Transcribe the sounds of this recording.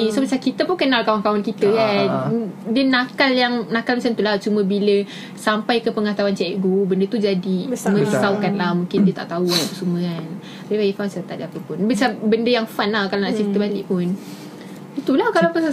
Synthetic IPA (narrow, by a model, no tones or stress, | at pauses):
isomət͡ʃakit̪əpunkənalkawankawankit̪əja | dənakaljaŋnakalmət͡ʃant̪ulaht͡ʃumə̃bilə | sampajkəpəŋat̪awant͡ʃɛʔɛʔɡubəndət̪ud͡ʒadimə̃əsawkanlahmũŋkɪndiət̪a̰ʔt̪aualapəsuməkan | abibaɡifasət̪aʔ̚dapəpʊnbət͡ʃabəndəjaŋfanlahkalanaʔt͡ʃit̪əbat̪ḭʔpʊn | it̪ulahkalapə